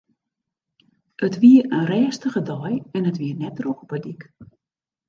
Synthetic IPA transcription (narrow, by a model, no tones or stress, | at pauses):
ʔətʋiəənrɛːstəχədɔjɛnətʋiərnɛt̚droxɔpədik